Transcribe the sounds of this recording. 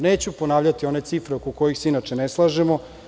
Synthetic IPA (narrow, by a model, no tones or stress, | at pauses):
neːt͡ɕupo̞naːʋʎat̪io̞ne̞t̪sifɾeokoko̞jixseinat͡ʂeneslˠaʒemo